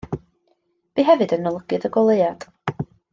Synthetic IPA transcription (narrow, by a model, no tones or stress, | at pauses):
b̥iɦɛvɨdənɔlˠəɡ̥ɨðəɡɔlˠejad̥